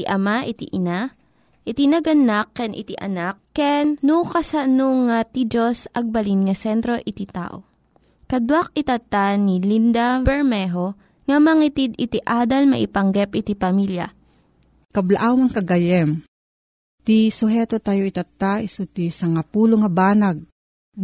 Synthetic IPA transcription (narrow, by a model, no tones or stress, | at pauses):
iʔɐmaʔit̪iʔɪna | ʔɪt̪inɐɡɐnakːɛnʔɪ̰t̪iʔɐ̰nakːɛnːukɐsɐnoŋat̪id͡ʒosʔɐɡ̚bɐlinŋɐsɛnt̪ɾo̞ʔɪt̪it̪a̰ːʔo̰ | kɐd̪wak̚ɪt̪ɐt̪ːanilind̪abɛɹmɛɦo | ŋɐmɐŋit̪id̪ɪt̪iʔaːd̪ɐlmɐ̰ʔɪpɐŋɡɛpʔɪt̪ipɐmiljɐa̰ | kɐblaʔawmɐŋkɐɡɐjɛm | t̪isʊɦɛːt̪ot̪ajoit̪ɐt̪ːaisut̪isɐŋapuːloŋɐbaːnaɡ̚